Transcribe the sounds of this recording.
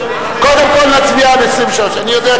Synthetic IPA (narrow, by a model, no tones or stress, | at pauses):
kod̪emkolnat͡sviamesimʃoʃanijod̪ɛa